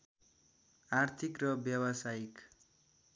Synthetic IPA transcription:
art̪ʰikrʌbjʌwʌsaik

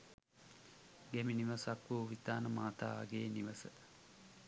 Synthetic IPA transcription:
ɡæminiʋəsakʋuʋit̪aːnəmaːt̪a̰ːa̰ɡeːniʋəsə

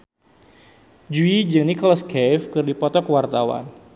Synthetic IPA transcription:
d͡ʒuid͡ʒəŋnikɔlaskɛfkɨrdipɔt̪ɔkwart̪awa̰n

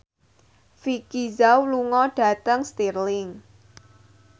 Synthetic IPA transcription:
fikizawluŋɔɖ̥ä̤t̪əŋst̪irlɪŋ

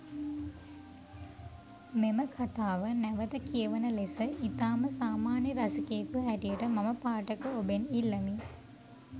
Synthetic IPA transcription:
meməkʰat̪aːʋənæʋət̪əkijəʋənəlesəʔit̪aːməsaːmaːnjəɾasikejəkuɦæʈijəʈəmaməpaːʈəkəobenilːəmi

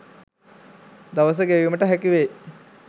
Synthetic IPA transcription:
d̪aʋəs̬əɡeʋiməʈəɦækiʋe

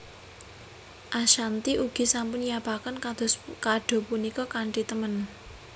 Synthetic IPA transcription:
ʔaʃant̪iʔuɡ̥i̤sampʊnjapakənkad̪̥o̤skaɖ̥o̤punikɔkaɳʈit̪əmən

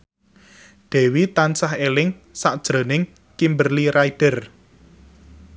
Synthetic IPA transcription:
ɖ̪̥ɛ̤wit̪ansaɦelɪŋsaʔd̥ʒ̥ɾonɪŋ | kimbərliɾaiɖ̥ə̤r

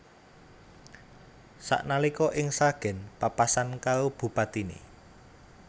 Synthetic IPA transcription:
sa̰ʔnalikɔʔɪŋsaɡ̥ɛ̤npapasankaɾob̥ṳpat̪inḛ

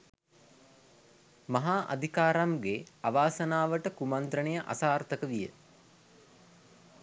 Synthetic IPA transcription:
maɦaːʔa̰d̪ʱikaːɾamɡeaʋaːsənaːʋəʈəkumant̪ɾənejəʔa̰saːrt̪əkəʋijə̰

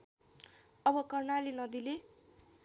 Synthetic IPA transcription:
ʌbʌkʌrnalinʌd̪ile

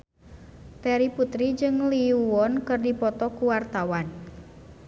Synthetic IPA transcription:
t̪ɛɾiput̪ɾid͡ʒɨŋliuwɔnkɨrdipɔt̪ɔkuwart̪awan

